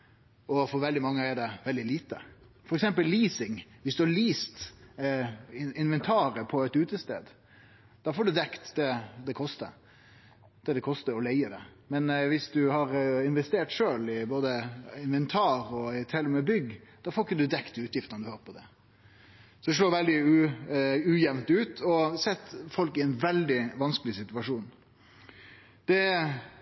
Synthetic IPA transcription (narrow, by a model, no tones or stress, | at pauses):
ɔfɔɾʋɛld̪ɪmɑŋːəɛɖɛʋɛld̪ɪliːt̪ə̰ | fɔɾɛksɛmpəlliːsɪŋʋɪsd̪ʉhɑliːst̪ | ɪɪnʋɛnt̪ʰɑːɾəpʰɔɛt̪ʉːt̪əst̪ḛːd̪ | d̪̥ɑfoːɖʉd̪ɛkt̪d̪ɛd̪ɛkʰɔst̪ə̰ | d̪̥ɛd̪ɛkʰɔst̪əɾɔlæɪəd̪ɛ̰mɛnʋɪsd̪ʉhɑɾɪnʋɛst̪eːʈʂøːlɪboːd̪əɪnʋɛnt̪ʰɑːɾɔɪt̪ʰɛlmɛbʏɡd̪̥ɑfoːɪkːəd̪ʉd̪ɛkt̪ʰʉːt̪jɪft̪ənəd̪ʉhɑːɾpʰɔd̪ɛ | sɔd̪ɛʂloːʋɛld̪ɪʉ | ʉːjɛʋnt̪ʉːt̪ʰɔsɛt̪ːfɔlkɪæɪnʋɛld̪ɪʋɑnskəlɪsɪt̪ʉʋɑʂuːn | d̪̥ɛ